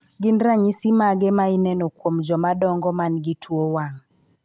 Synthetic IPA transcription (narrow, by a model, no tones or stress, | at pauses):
ɡɪnɾaɲisimaɡɛmainɛnokwomd͡ʒɔmadɔŋɡɔmanɡitʰwowaŋ